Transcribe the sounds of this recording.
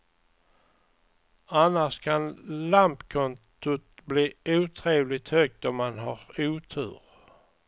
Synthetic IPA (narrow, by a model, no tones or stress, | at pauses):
anːaʂkʰanlampkʰɔnt̪ʰʊt̪bliːʔuːt̪ʰɾeːvlɪt̪hœɡ̚d̪ɔmːanɦaɾuːt̪ʰʉ̟̰ːɾ